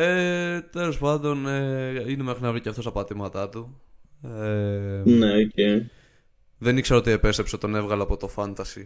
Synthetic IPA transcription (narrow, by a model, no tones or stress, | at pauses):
et̪e̞lo̞spɐnd̪o̞neine̞mexɾinɐvɾiceɐft̪o̞st̪ɐpɐt̪imɐt̪ɐt̪u | eneoce | ðe̞nikse̞ɾoot̪ie̞pe̞st̪epset̪o̞ne̞vɣɐloːpo̞t̪o̞fɐnt̪ɐsi